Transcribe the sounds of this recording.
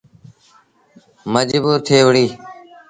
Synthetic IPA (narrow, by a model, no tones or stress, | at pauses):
məd͡ʒbuːɾt̪ʰeːʋɽiː